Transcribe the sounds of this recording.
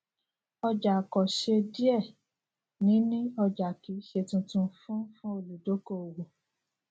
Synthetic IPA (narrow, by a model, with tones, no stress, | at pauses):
ɔ˧d͡ʒa˨kɔ˨ʃe˧di˦ɛ˦˨ | nĩ˨˦nĩ˦ɔ˧d͡ʒa˨ki˨˦ʃe˧tũ˧tũ˧fũ˦fũ˦o˦˨lu˨do˨˦ko˦o˨wu˨